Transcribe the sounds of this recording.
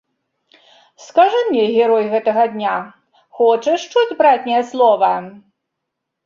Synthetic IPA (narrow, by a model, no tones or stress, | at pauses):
skaʐɨmʲnʲɛɣʲɛɾɔjɣɛt̪ɐɣɐd̪ʲnʲa | xɔt͡ʂɐʂt͡ʂud͡zʲbɾat͡sʲnʲɛjɛslˠɔvɐ